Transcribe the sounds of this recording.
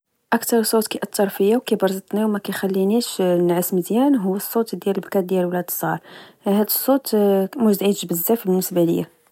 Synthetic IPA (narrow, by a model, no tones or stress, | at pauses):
ʔækt̪ɑɾsˤːot̪kæjʔɑt̪ʰːɑɾˤfəjawkæbɑɾˤzˤɑt̪niwmækæjxælːiniʃnʕəsməd̪jænɦʊwːəsˤːot̪d̪jæləbkæt̪̚d̪jælwlæd̪sˤɑɾˤ | hæd̪əsˤːot̪mʊʒd̪ʕid̪ʒbəzːæfbənːəsbæləjːæ̰